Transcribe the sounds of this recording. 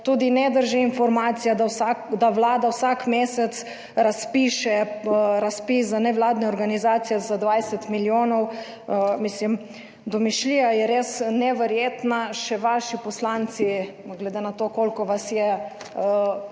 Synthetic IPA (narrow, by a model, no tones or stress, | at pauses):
t̪ud̪inɛd̪əɾʒiinfɔɾmaːt̪sijad̪asad̪aʋlaːd̪awsakmeːsɛt̪s | ɾaspiːʃɛɾaspiszanɛʋlaːd̪nɛɔɾɡanizaːt̪sijɛzad̪ʋajsɛt̪miljoːnɔw | mislim | d̪ɔmiʃliːjajɛɾeːsnɛʋɛɾjeːt̪naʃɛʋaːʃipɔslaːnt̪si | ɡlɛd̪enat̪okolkɔʋasjɛ